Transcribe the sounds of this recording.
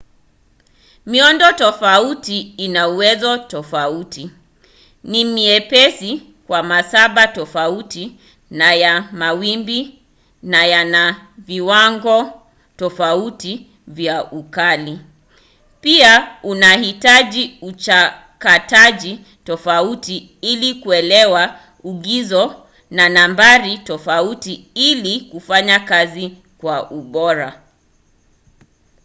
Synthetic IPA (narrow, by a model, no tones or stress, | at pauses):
miɔndɔtɔfautiinauwɛzɔtɔfauti | nimiɛpɛsi | kwamasaɓatɔfauti | najamawimbi | najanaviwaŋɡɔ | tɔfauti | vjaʔukali | piaunahitaʄiut͡ʃa | kataʄi | tɔfauti | ilikuɛlɛwa | uɠizɔ | nanambaɾitɔfautiilikufaɲakazi | kwaʔuɓɔɾa